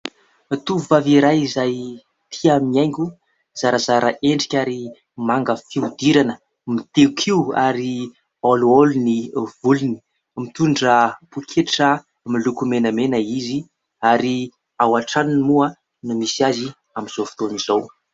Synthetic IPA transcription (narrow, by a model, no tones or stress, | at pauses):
t̪uvaviɾajizaj | t̪ʰiamiajŋɡʲu | z̥aɾəzaɾʔəʔeɳɖ͡ʐi̥kʲaɾi | maŋɡəfiud̪iɾanə | mit̪eukʰiua̰ɾi | oluolunivuluni̥ | mit̪uɳɖ͡ʐəpukʰeʈ͡ʂə | milukumenəmenəizi | aɾi | awaʈ͡ʂaninimua | numisiazi | amiz̥ofi̥t̪onizow